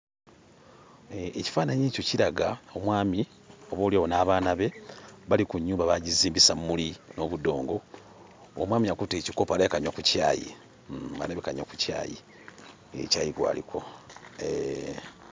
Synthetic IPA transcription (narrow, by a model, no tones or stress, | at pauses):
eci̥faːnaɲe̞ːco̞ciɾaɡao̞mwaːmi | o̞βo̞ːliaβonaːβaːnaβe̞βalikuɲːuːmbaβaɟiziːmbisamumulino̞βudo̞ːŋɡo̞ | o̰mwaːmiakuteːciko̞paleekaɲwakuca̰ːjḭ | a̰leβekaɲwaku̥ca̰ːjḭ | ḛcaːjiɡwa̰ːlḭkʰo̞